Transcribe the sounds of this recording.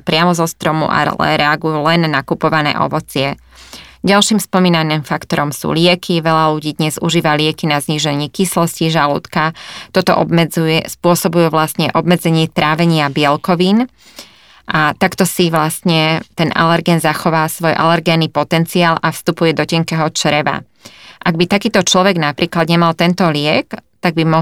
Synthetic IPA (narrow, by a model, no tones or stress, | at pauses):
pɾɪamɔzɔst̪ɾɔmṵʔa̰lɛ̰ɾɛaɡujuːlɛnːakupɔʋanɛ̰ːʔɔ̰ʋɔt͡sɪɛ | ɟalʃiːmspɔmiːnaniːmfakt̪ɔɾɔmsṵːlɪɛkʰiʋɛʎaluɟiːd̪ɲɛzuʒiːʋalɪɛkinazɲiːʒɛɲikislɔsciʒalṵːt̪kat̪ɔt̪ɔ̰ʔɔbmɛd͡zujɛspʊɔsɔbujuʋlasɲɛʔɔbmɛd͡zɛɲɪɛt̪ɾaːʋɛɲɪabɪɛlkɔʋiːn | ʔat̪akt̪ɔsiʋlast̪ɲɛt̪ɛnʔa̰lɛɾɡɛnzaxɔʋaːsʋɔjʔa̰lɛɾɡɛnipɔt̪ɛnt͡siaːlʔafst̪upujɛd̪ɔcɛŋkɛɦɔt͡ʃɾɛʋa̰ | ʔaɡbit̪akiːt̪ɔt͡ʃlɔʋɛɡnapɾiːklad̪ɲɛmalt̪ɛnt̪ɔlɪɛkt̪aɡ̚bimɔ